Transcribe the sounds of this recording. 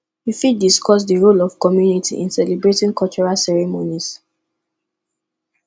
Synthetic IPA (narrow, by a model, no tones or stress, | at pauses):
hifidiskɔs̬dəɹolɔv̥kɔmjunitʰḭʔḭ̃nsɛlebɹetĩŋkʰɔt͡ʃɔɹalsɛɹɛmonis